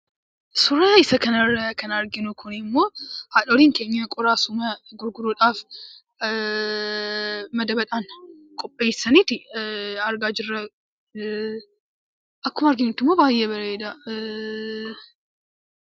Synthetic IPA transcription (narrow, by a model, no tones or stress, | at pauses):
sʊɾaːɪsɐkɐnɐrɐkɐnɐɾɡɪnʊkʰʊnɪɪmːo̞ːhaᶑoɾiːŋke̞ːɲːɐkʼʊɾaːsʊmɐɡʊɾɡʊɾuᶑaːf | mɐd̪ɐbɐᶑ̪aːnkʼɔpʼːeːsɐnit̪ɪɐɾɡaːd͡ʒɪrːɐ | ʔɐkːʊmɐɾɡɪnʊt̪ːɪmːoːbaːjːɛbɐɾɐed̪a